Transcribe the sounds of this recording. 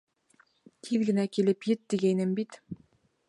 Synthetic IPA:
t̪ʰiðɡɘ̆nækʲilɘpjɘt̪̚d̪iɡæjnɘmbit̪

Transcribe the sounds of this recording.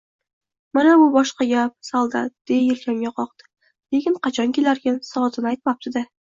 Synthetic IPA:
manabʊbɒʃqɑɡʲap̚salˠd̪a̰d̪̥ejelkʲʰamɡʲaqʰɒqd̪ɪ̥ | lekʲɪɴqʰɑt͡ʃʰɒnkʲʰelaɾɡʲansɒzɪnajt̪̚map̚t̪ɪd̪a

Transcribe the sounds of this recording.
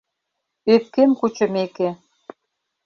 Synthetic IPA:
øt̪̚kemkut͡ɕə̆meke

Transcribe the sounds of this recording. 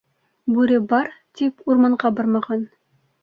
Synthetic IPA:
bʉɾɘbɑɾt̪ipuɾmɑɴʁɑbɑɾmɑʁɑn

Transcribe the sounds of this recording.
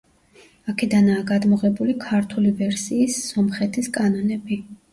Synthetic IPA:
akʰɛd̪anaːɡad̪mɔʁɛbulikʰaɾt̪ʰulivɛɾsiːsːɔmχɛt̪ʰiskʼanɔnɛbi

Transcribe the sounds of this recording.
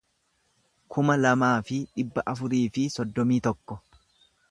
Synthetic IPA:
kʰʊmɐlɐmaːfɪᶑɪbːɐʔɐfʊɾiːfɪsɔd̪ːɔmiːt̪ɔkːɔ

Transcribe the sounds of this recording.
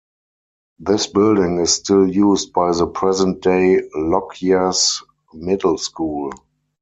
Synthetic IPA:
ðɪsbɪldɪ̃ŋɪsstɪljuːst̚b̥aɪðəpʰɹɛzə̃nt̚d̥eɪlɔkʰias | mɪdl̩skuːl

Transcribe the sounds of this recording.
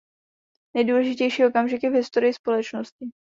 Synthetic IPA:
nɛjduːlɛʒɪcɛjʃiːʔo̞kamʒɪkjɛvɦɪst̪o̞ɾɪjɪspo̞lɛt͡ʃno̞scɪ

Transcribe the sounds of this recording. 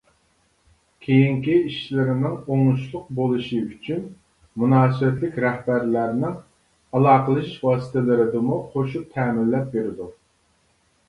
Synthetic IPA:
kʲʰejiŋkʲiiʃlɪɾɪnɪŋoŋuʃlˠʊq̚bolˠuʃiyt͡ʃʰyn | munɑːsɨbɛt̪lɪkʲɾɛhbæɾlæɾnɪŋ | ɑlˠɑːqəlˠɨʃiʃwɑːsɨ̥t̪ʰɪlɪɾɪd̪ɪmuχoʃup̚t̪ʰɛːmɪnːɛp̚beɾɪd̪u

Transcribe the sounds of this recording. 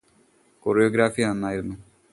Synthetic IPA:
koːrijoːɡɾaːfijɐnɐnːaːjiɾunːu

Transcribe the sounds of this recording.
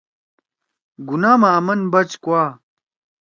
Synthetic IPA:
ɡunaːmaːmɐnbɐt͡ɕkwaː

